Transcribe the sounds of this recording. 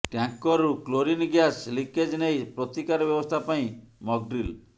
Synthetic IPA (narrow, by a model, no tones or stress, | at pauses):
ʈjaŋkɔɾukloɾinɡjasliked͡ʒnejpɾot̪ikaɾɔbjɔbɔst̪ʰapaĩmɔɡ̚ɖɾil